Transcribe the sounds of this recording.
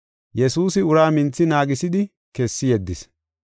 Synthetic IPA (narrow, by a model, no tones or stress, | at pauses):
jɛsuːsɪʊɾaːmɪnt͡sːɪnaːɡɪsɪd̪ɪ | kɛsːɪjɛd̪ːɪs